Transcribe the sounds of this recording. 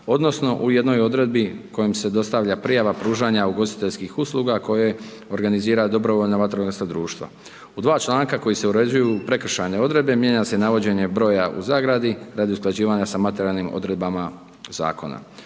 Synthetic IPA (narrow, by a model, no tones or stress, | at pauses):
o̞d̪nosno̞ʔuje̞d̪no̞jo̞d̪ɾe̞d̪̚biko̞jimse̞d̪o̞st̪aʋʎapɾijaʋapɾuːʒaɲauɡo̞st̪i̥t̪e̞ʎʲskixusluɡako̞je | o̞ɾɡaniziːɾad̪o̞bɾo̞ʋo̞ʎnaʋat̪ɾoest̪ad̪ɾuːʃt̪ʋa̰ | ud̪ʋaːt͡ʃlaːŋkako̞jise̞uɾed͡ʑujuːpɾe̞kr̩ʃajne̞o̞d̪ɾe̞d̪̚be̞mje̞ɲase̞naʋo̞d͡ʑe̞ɲe̞bɾo̞ːjaʔṵzaːɡɾad̪iɾad̪iusklˠad͡ʑiːʋaɲasamat̪e̞ɾiaːlnimo̞̰d̪ɾe̞d̪̚bama | za̰ːko̞̰na̰